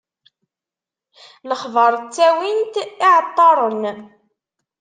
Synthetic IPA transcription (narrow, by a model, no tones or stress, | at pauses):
ləχðɑɾˤt͡sːæwint̪ɪʕət̪ˤːɑɾˤən